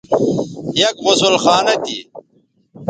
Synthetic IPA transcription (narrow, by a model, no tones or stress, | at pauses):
jɐkʁʊsulxaːnɐt̪ḭ